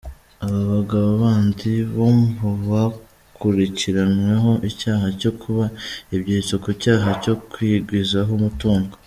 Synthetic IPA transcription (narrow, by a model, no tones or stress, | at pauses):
aβaβaɡaβaβaːndiβomvuβa | kʰuɾiciɾanwe̞ɦo̞ʔicaːɦaco̞kʰuβaiβɟit͡sokucaːɦaco̞kwiɡwizaɦomutuːŋɡo